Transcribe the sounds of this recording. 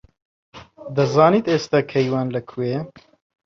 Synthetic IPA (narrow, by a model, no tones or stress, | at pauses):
d̪ɐzɑːniːt̪eːst̪akʰɐjwɑːnlɐkʰueː